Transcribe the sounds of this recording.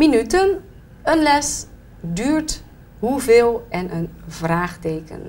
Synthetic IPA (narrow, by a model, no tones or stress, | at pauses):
minytən | ənlɛs | dyːɹt | ɦuveːlˠɛnənvraːχtejkə̰n